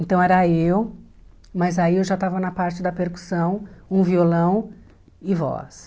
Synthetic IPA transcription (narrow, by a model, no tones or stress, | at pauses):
ẽnt̪ɐ̃w̃ɛɾɐew | mɐzaiewʒat̪avɐnɐpaɾt͡ʃɪd̪ɐpeɾku̥sɐ̃w̃ũviolɐ̃w̃ | ɪvɔ̰s